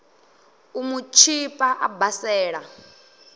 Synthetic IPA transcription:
umut͡ʃʰipʼaʔabasɛːɺa

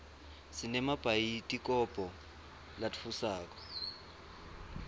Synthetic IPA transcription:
sinɛmab̥ʱajitʼikʼɔb̥ʱɔ | latfusaːkʼɔ̥

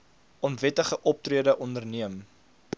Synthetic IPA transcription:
ɔnvɛtəχəʔɔp̚triədəʔɔndərniəm

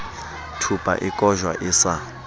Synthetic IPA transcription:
tʰupʼa̰ʔikʼɔʒwa̰ʔɪsa

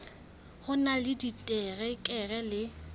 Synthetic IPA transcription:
hʊnalɪditʼɛrɛkʼɛɣɛlɪ

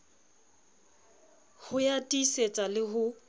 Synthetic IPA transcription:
hʊjatʼiset͡sʼalɪɦʊ

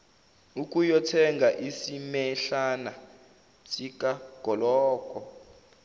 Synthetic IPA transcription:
uk̬ʼujɔtʰɛŋɡʱaʔisimɛɬana | sʼikʼaɡ̥ʱɔlɔːkʼɔ

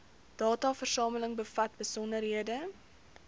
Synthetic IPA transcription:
d̥ɑːtɑːfərsɑːmələŋbəfɐt̚bəsɔndərɦiədə

